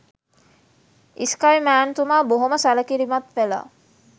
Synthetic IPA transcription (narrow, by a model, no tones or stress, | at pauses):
iskajmæːnt̪umaːboɦoməsaləkiɾimat̪ʋela̰